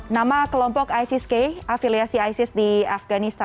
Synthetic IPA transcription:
namakəlɔmpɔkajsɪskeʔafiliasiajsɪsdiafɡanist̪a

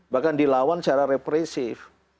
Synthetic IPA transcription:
bahkandilawant͡ʃaɾaɾepɾɛsɪf

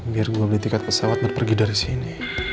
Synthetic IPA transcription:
biarɡuabəlat̪ikat̪̚pəsawat̪̚bərpərɡidaɾisini

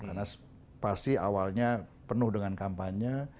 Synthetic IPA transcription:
karna | pastia̰walɲapənʊhdəŋankampaɲa

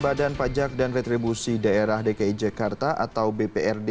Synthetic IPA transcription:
badanpad͡ʒak̚danrɛt̪ɾibusidaeɾahdekaid͡ʒakart̪aʔa̰t̪awbepeɛrde

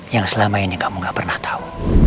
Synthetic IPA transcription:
jaŋsəlamainikamuŋɡaʔpərnaht̪ʰḁu

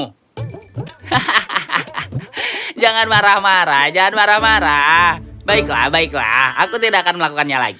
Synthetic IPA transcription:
d͡ʒaŋanmaɾahmaɾahd͡ʒaŋanmaɾahmaɾabaɪkla̰hbaɪkla̰hakut̪̬idakanməlakukanɲala̰ɡi

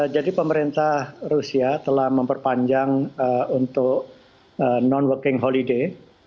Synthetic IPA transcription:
d͡ʒadipəməɾint̪ahrusiat̪əlahməmpərpaɲd͡ʒaŋəunt̪ʊk̚ | ənɔnwəkɪŋɦolide

